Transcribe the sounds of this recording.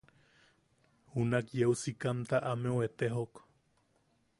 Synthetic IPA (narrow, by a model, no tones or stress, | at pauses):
hunakjeusikamt̪aʔameoet̪eɦok